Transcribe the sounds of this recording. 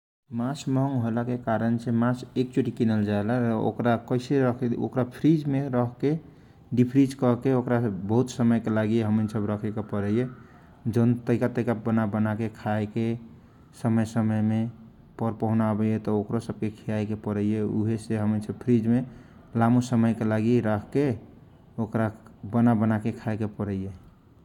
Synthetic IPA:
masməɦəŋɡɦojlakekaɾənsemasek̚t͡ʃoʈikinəld͡ʒaelao̰kɾakəɪseɾəkʰo̰kɾapʰɾid͡ʒmeɾəɦke | ɖipʰɾid͡ʒkɔɦkeokɾabəɦut̪səməjkelaɡiɦəmənsəbɾəkʰɛkepəɾəje | d͡ʒənt̪əɪkat̪əkabənabənakekʰaeke | səməjsəməjme | pəɾpəɦunabəjet̪ɔokɾosəb̚kekʰijajkepəɾəjeuɦeseɦəmənsəbpʰɾid͡ʒme | lamusəməjkelaɡiɾəkʰke | okɾabənabənakekʰaekepəɾəje

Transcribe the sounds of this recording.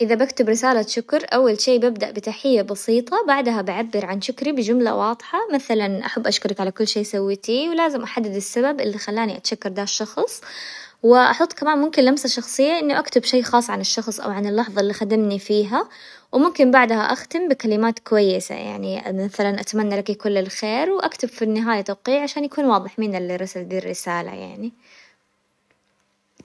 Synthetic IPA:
ʔɪðabakt̪ɪbɾɪsaːlaʃʊkɾʔawːalʃeːbabd̪aʔbɪt̪aħɪjːabɑsiːt̪ˤɑbaʕd̪ɦabɪʕabːɪɾʕanʃʊkɾibɪd͡ʒʊmla̰wɑːd̪ˤħɑmaθalanʔaħabːʔaʃkʊɾɑkʕalakʊlːʃeːsawːɪt̪iwlaːzɪmʔaħad̪ːɪd̪ɪsːababʔɪlːixalːaːniʔat̪ʃakːɑɾˤd̪aːʃːɑxsˤ | wɪʔɑ̰ħɑt̪ˤːkamaːnmʊmkɪnlamsaʃɑxsˤɨjːaʔɪnːuʔakt̪ɪbʃeːxɑːsˤʕanɪʃːɑxsˤʔa̰wʕanɪlːɑħðˤɑʔɪlːixad̪amnifiːɦa | wɪmʊmkɪmbaʕd̪haʔaxt̪ɪmbɪkalɪmaːt̪kʊwajːɪsa̰ja̰ʕnimaθalanʔat̪manːalakikʊlːɪlxeːɾwʔakt̪abfinːɪɦaːjat̪awqiːʕaʃaːnjakuːnwɑːðˤɨħmɪnɪlːirɾɑsald̪iːrːɪsaːla̰ja̰ʕni

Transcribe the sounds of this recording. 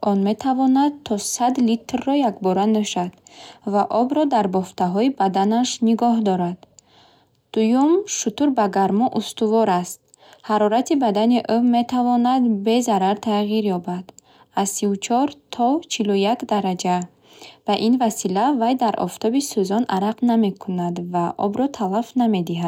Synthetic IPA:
ʔɔnme̞t̪ʰavɔnad̪̚t̪ʰɔsad̪lit̪rːɔjakbɔɾanøʃad̪̥vaʔɔbɾɔd̪aɾbɔft̪ʰaɦɔibad̪anaʃniɡɔɦd̪ɔɾad̪ | d̪̥ujumʃut̪uɾbaɡaɾmɔʔust̪uvɔɾast̪̚ | haɾɔɾat̪ibad̪aniʔøme̞t̪ʰavɔnad̪be̞zaɾaɾt̪ʰaʁiɾjɔbad̪̥ | azsiut͡ʃʰɔɾt̪ʰɔt͡ʃʰilujakd̪aɾad͡ʒa | vaʔinvasilavajd̪aɾʔɔ̰ft̪ʰɔbisuzɔnʔaɾaqname̞kʰunad̪vaʔɔ̰bɾɔt̪ʰalafname̞d̪iɦad̪

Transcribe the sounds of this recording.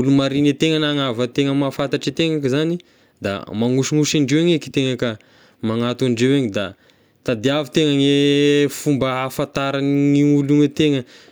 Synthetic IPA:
ulumaɾinet̪eŋənaŋavət̪eŋəmafant̪aʈ͡ʂit̪eŋakəzani | d̪a̰maŋuʃiŋuʃaɳɖ͡ʐewaɲeki̥t̪eŋakə | maŋat̪aɳɖ͡ʐeweɲid̪a | t̪ad̪iavit̪eŋaŋefumbəafat̪aɾaniuluŋet̪eŋə

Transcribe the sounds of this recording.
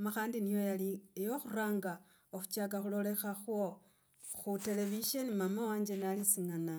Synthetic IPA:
maxaːndinijo̞jaliejo̞xuraːŋɡa | oxu̥t͡ʃak̬axulo̞le̞xaxwo̞ | xute̞le̞βiʃe̞nimamawaːɲd͡ʒe̞nalisiŋana

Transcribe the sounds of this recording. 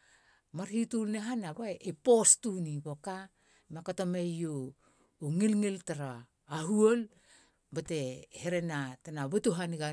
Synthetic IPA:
maɾhitulneɦanaβaepostuniboka | makotomejoː | ŋilŋiltaɾaː | ɦuol | bateheɾenatanaβetuɦanɡa

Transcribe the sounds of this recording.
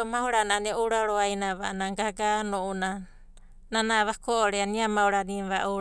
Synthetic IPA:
omahuɾananeowɾaoɾoajnaβanaɡaɡanouna | nanaβakoʔoɾeaniamauɾaniβaʔo

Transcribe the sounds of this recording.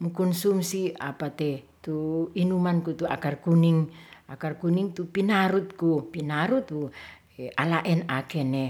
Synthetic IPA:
mukunsumsiapat̪ɛt̪uinumankut̪ua̰karkuniŋʔakarkuniŋt̪upinaɾut̪̚kupinaɾut̪u | ealaʔɛnakɛne

